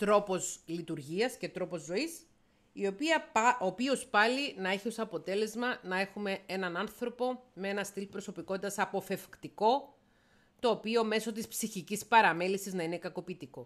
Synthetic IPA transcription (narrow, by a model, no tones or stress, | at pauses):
t̪ɾo̞po̞slit̪uɾʝiɐsce̞t̪ɾo̞po̞zːo̞is | io̞piɐopio̞spɐlinɐe̞çio̞sɐpo̞t̪e̞le̞zmɐnɐe̞xume̞e̞nɐnɐnθɾo̞po̞mee̞nɐst̪ilpɾo̞so̞piko̞t̪it̪ɐsɐpo̞fe̞fkt̪iko̞ | t̪o̞ːpio̞me̞so̞t̪ispsiçicispɐɾɐme̞lisiznɐine̞kɐko̞pit̪iko̞